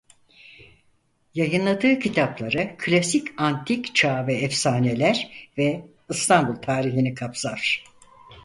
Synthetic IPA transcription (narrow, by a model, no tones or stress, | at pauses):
jajɯnlˠad̪ɯːcʰit̪ʰaplˠaɾakʰlʲasicant̪ʰict͡ʃʰaːvɛːfsaːnelʲæɾvɛ | ɯst̪ʰanbulˠt̪ʰaːɾiɦinikʰapsaɾ̥